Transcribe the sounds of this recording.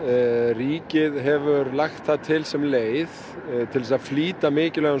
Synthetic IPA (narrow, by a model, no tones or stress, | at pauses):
riːcɪðɦɛvʏɾlaxt̪θaðt̪ʰɪlsɛmleːjð | t̪ʰɪlɛsaðfliːt̪amɪːcɪlɛɣʏn